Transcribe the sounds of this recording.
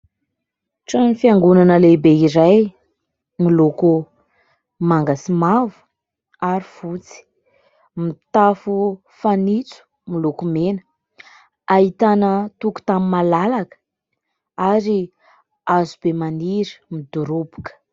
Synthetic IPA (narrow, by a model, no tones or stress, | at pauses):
ʈ͡ʂanifiaŋɡunanəlebeiɾaj | miluku | maŋɡasimavu̥ | aɾifut͡si̥ | mit̪afu | fanit͡su̥ | milukumenə̥ | ait̪anət̪uku̥t̪amimalalakə̥ | aɾi | azub̥emaniɾə̥mid̪uɾubu̥kə̥